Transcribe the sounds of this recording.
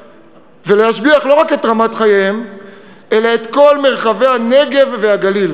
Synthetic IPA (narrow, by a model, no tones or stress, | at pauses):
velehaʃbiaχlo̞ʁake̞t̪ʁamat̪χajeem | ʔe̞laet̪ko̞lme̞ʁχave̞jane̞ɡe̞vveaɡalil